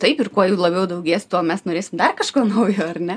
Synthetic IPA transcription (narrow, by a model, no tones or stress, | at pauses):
t̪ɐɪpɪrkoɔjuːlˠɐbʲɛʊd̪ɐʊɡʲeːsʲɪt̪uːmʲɛsnoːɾʲeːsʲɪmd̪ɐrkɐʃkoːnɐʊjoːɐrnʲɛ